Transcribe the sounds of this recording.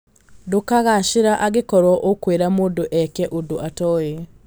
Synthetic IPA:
dokaɣaʃiɾaʔaɣekɔɾɔʔokweɾamoːndoʔɛkɛʔodoʔatɔːje

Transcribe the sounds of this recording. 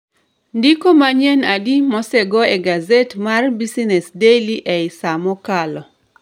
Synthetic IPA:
ndikomaɲɛnadimɔsɛɡɔeɡazetmarbisinɛsdeliʔɛɪsamɔkalɔ

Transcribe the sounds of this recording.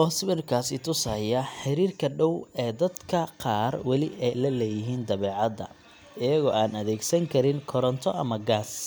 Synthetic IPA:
ʔɔːsβɪrkʰaːsɪt̪ʰʊshɐjɐħɪɾiːrkʰɐɖɔwɛːd̪ɐd̪kʰɐqɑːrwɑlɪʔɛjlɐlɛːjɪɦiːnd̪ɐβɛːʕɑd̪ɐ̰ | ɪjɐɣɔːaːnɐðɛːɡsɐŋkʰɐɾɪŋkʰɔɾɔnt̪ʰɔʔɐmɐɡaːs

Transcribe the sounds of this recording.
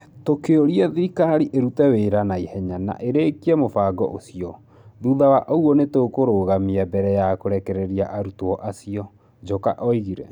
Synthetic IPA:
tokeoɾiɛðiɾikaɾiʔeɾutɛweɾanaihɛɲana̰ʔeɾeːkiɛmofaːɡɔ̰ʔosiɔ | ðuðawaʔouɔnetokoɾoːɣamiabɛɾɛjakoɾɛkɛɾɛɾiaʔaɾutoɔʔasiɔ | d͡ʒokaʔɔiɣiɾɛ̰

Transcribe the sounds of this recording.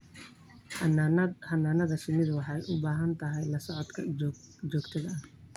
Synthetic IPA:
hɐnːaːnɐðɐʃɪmɪðɐwɑħɑjʔʊbaːɦɐnt̪ʰɐɦɛjlɐsɔʕɔd̪kʰɐt͡ʃɔːɡt̪ʰɐðɐɐh

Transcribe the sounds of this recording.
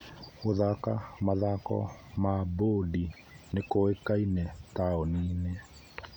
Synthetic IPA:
oðakamaðakɔ̰ | mabodi | nekoekainɛtaɔniːnɛ

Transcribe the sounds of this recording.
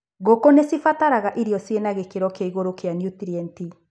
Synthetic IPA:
ɣokonesifataɾaɣaʔiɾiɔsienaɣekeɾɔkeaiɣoɾokeanijut̪iɾiɛnti

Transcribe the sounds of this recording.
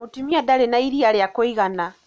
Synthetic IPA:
utimiad̪alenaiɾialjakoiɣana

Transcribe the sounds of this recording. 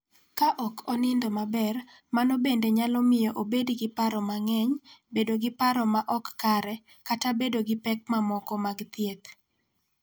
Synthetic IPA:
kaʔɔkʰɔnɪndɔmabɛr | manɔbendeɲalɔmɪjɔʔobedɡɪpaɾɔmaŋɛɲbedoɡɪpaɾɔmaʔɔkːaɾɛ | katabedoɡɪpɛk̚mamɔkɔmaɡt̪jet̪

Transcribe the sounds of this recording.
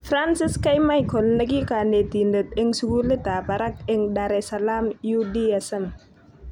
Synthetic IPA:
fɾansiskɐjmajkʰɔlnɐɡikanet̪indət̪ɪŋsuɡulet̪abɐɾɐkeŋdaɾesɐlaːmjudiɛsɐm

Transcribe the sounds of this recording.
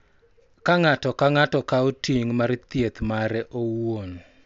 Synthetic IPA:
kaŋatɔkaŋatɔkaotiŋmaɾt̪jet̪maɾɛʔowon

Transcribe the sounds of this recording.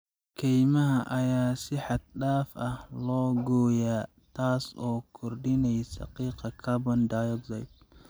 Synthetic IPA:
kʰɛjmɐɦɐʔɐjaːsɪħɑd̪̚ɗaːfɐhlɔːɡɔːjaː | t̪ʰaːsɔːkʰɔrɖɪnɛjsɐ̰qiːqɑkʰɐbɐnd̪aːjɔɡzɐjt̪̚

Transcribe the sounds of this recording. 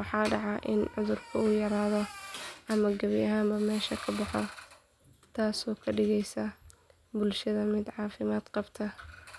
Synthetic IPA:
wɑħɑːɖɑʕɑʔɪnʕʊðʊrkʰɐʊjɐɾaːðɔʔɐmɐɡɐβjɐɦaːmbɐmɛːʃɐkʰɐbɑħɔ | t̪ʰaːsɔːkʰɐɖɪɣɛjsɐ | bʊlʃɐðɐmɪd̪ʕɑːfɪmaːd̪qɑbt̪ʰɐ

